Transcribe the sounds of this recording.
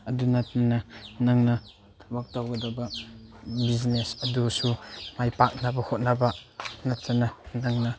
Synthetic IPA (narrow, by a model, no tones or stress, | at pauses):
ɐdunɐt̚nɐnɐnɐŋnɐ | tʰɐbɐk̚tawɡɐdɐbɐ | biznesɐdusumajpak̚nɐbɐhot̚nɐbɐnɐtːɐnɐnɐŋnɐ